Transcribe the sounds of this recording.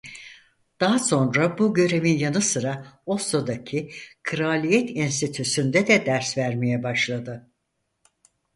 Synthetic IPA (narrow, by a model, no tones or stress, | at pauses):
d̪̥aɦaso̞nɾabuɟø̞ɾe̞vinjanɯsɯɾaosod̪acʰikʰɾalʲijɛt̪ʰinst̪ʰit̪ʰysynd̪ɛd̪ɛd̪æɾsvæɾmejɛbaʃlˠad̪ɯ